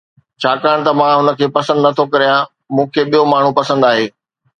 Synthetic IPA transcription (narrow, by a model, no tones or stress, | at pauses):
t͡ɕʰaːkaːəɽ̃t̪ɐmãɦʊnə̆kʰeːpɐsə̃nd̪nɐt̪ʰokɐɾijã | mũːkʰeːɓijomaːɳ̤ũpɐsə̃nd̪aːɦeː